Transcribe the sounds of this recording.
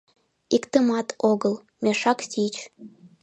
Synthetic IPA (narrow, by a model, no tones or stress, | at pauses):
ikt̪əmɑt̪ʰoɣəl | mʲeʃɑksʲit͡ɕ